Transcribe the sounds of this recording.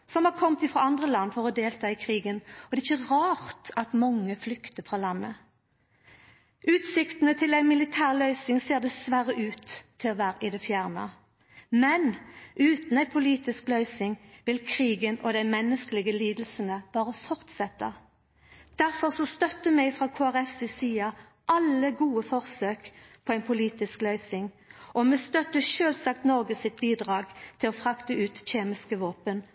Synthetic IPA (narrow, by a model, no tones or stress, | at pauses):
sɔmhɑːʁkʰɔmt̪ɪfʁɑɑnd̪ʁəlɑnːfɔʁɔd̪eːlt̪ʰɑːɪkʰʁiːɡənɔd̪ɛɪçəʁɑːʁt̪ɑt̪mɔŋːəflʏkt̪əfʁɑːlɑnːə | ʔʉːt̪sɪkt̪ənət̪ʰɪlæɪmɪlɪt̪ʰæːʁlœʏsɪŋseːʁd̪ɛsʋæɾəʔʉːt̪ʰːɪlɔʋæːɾəʔɪd̪ɛfjæʁnə̰ | mɛnʔʉːt̪n̩æɪpʰʊliːt̪ɪsklœʏsɪŋʋɪlkʰʁiːɡənɔd̪æɪmɛnːəskəlɪɡəliːd̪l̩sənəbɑːʁəfɔʁt̪sɛt̪ːə | d̪̥æʁfɔʁsɔst̪œt̪ːəmɛɡfʁɑkʰoːæʁɛfsɛsiːɑ | ʔɑləɡuːəfɔʁsøːkpʰɔæɪnpʰʊliːt̪ɪsklœʏsɪŋ | ʔɔmɛst̪œt̪əʃøːlsɑk̚t̪nɔʁɡəsɪt̪̚biːd̪ʁɑːɡt̪ʰɪlɔfʁɑkt̪əʉːt̪çeːmɪskəʋoːpən